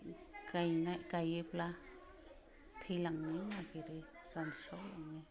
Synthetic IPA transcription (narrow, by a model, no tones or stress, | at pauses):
kajnakajipla | t̪ʰilaŋninakiɾi | sanʃolaŋe